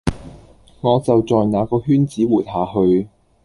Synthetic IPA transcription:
ŋɔː˨˧t͡sɐ˨wt͡sɔː˨jnaː˨˧kɔː˧hyː˥nt͡siː˨˥wuː˨˩t̚haː˨hɵ˧ɥ

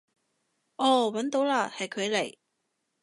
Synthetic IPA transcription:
ʔɔː˨˧wɐ˨˥nt̪o˨˥wlaː˧hɐ˨jkʰɵ˨˧ɥle˨˩j

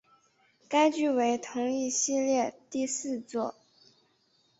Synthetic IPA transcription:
ka˥ɪt͡ɕy˥˩we˧˥ɪt̪ʰʊ˧˥ŋi˥˧ɕi˥˧ljɛ˥˧t̪i˥˧sɹ̩˥˧t͡swɔ˥˩

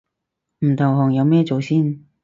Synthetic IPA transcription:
m̩˨˩t̪ʰʊ˨˩ŋɦɔː˨˩ŋjɐ˨˧wmɛː˥t͡so˨wsiː˥n

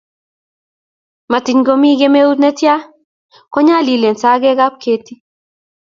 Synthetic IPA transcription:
ma˨ti˨ɲɡo˦mi˦ɡe˦me˦u˦tnɛ˦tja˦ | kɔ˦ɲa˦li˨le˨nsa˦ɡɛ˦ɡa˦p̚ke˦ti˦

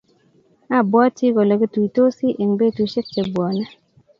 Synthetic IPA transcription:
a˦˨bɔ˦ti˦ɡɔ˨lɔ˨ɡɪ˦tu˨i˨to˦si˦ʔe˨ŋbe˦tu˨˦ʃɪ˦k̚t͡ʃe˨bwɔ˨na˦

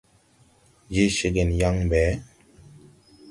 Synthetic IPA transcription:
d͡ʒe˦ʃe˦ɡe˨nja˦ŋbɛ˨˦

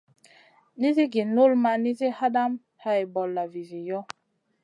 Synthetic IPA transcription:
ni˦zi˦ɡi˨no˦lma˨ni˦zi˦ha˦da˦m | ha˨i˨bɔ˨lːa˨vi˨vi˨jɔ˦

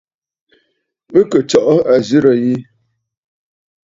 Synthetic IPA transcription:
mə˦kə˨t͡ʃɔ˨ʔɔ˦a˨zi˦ɾə˨ji˦

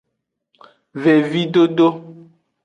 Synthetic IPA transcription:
ve˨vi˦ɖo˦ɖo˦

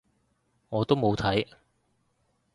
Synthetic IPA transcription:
ŋɔː˨˧t̪o˥wmo˨˧wt̪ʰɐ˨˥j

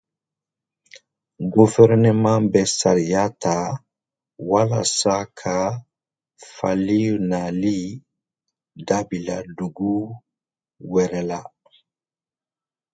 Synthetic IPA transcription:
ɡuvɛɾnɛmã˦bɛsa˨ɾija˦ta˨ | wala̰˨sa˦kʰa˨ | fa̰˨li˦na˨li˦ | dabi˨ladu˨ɡu˦ | wɛɾɛla˦

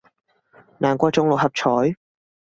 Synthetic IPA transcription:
naː˨˩nkʷɔː˧t͡sʊ˨˧˥ŋlo˨whɐ˨p̚t͡ʃʰɔː˨˥j

